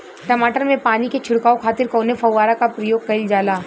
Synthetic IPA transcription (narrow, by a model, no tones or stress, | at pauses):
ʈɐmaːʈəɾmẽpaːniket͡ʃʰʊɽkaːokʰaːt̪ɪɾkɔːnefɐwʋaːɾakapɾɐjoːɡ̚kɐɪld͡ʒaːlaː